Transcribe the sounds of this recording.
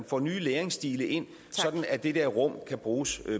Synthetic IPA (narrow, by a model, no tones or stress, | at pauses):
nfɒ̰ːnyːleːɐeŋsd̥ḭːləʔe̝n̰ | sɒ̽d̥n̩æd̥e̝d̥eɐʁɔ̽m̰kʰæb̥ʁuːs